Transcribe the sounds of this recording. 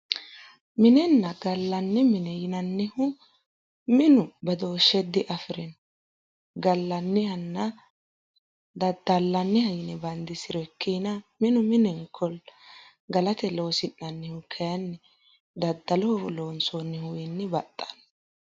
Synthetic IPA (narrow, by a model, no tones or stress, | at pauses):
mɪnɛnːɐɡɐlːɐnːɪmɪnɛjɪnɐnːɪhʊ | mɪnʊbɐd̪o̞ːʃɛd̪ːɪʔɐfɪɾɛn | ɡɐlːɐnːɪhɐnːɐ | d̪ɐd̪ːɐlːɐnːɪhɐjɪnɛbɐnd̪ɪsɪɾɔɛkʰːinɐmɪnʊmɪnɛŋkʰɔl | ɡɐlɐt̪ɛloːsɪnːɐnːɪhʊkʰɛjɐnːɪ | d̪ɐd̪ːɐlɔhlo̞ːnsonːɪhʊjɪnːɪbɐt̪ʼːɐ̥n